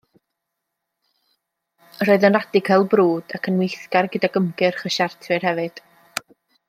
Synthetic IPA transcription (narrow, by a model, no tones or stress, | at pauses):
əɾoɨðənradɪɡʰɛlˠbruːd̥akʰənwɪjθkarɡədaɡəmɡɨrχəʃartʰwɨrhɛvɨd̥